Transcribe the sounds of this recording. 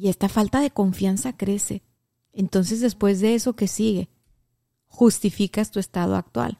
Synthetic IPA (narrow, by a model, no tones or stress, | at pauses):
ie̞st̪afalt̪aðe̞ko̞ɱfjansakɾe̞se̞ | ent̪o̞nse̞zðe̞spwe̞zðe̞e̞so̞ke̞siɣe̞ | xust̪ifikast̪ue̞st̪að̞oa̰k̚t̪wa̰l